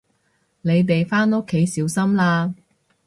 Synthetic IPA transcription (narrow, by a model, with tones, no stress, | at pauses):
ne˨˧jt̪̬e˨jfaː˥no˥kʰːe˨˥jsiː˨˥wsɐ˥mlaː˧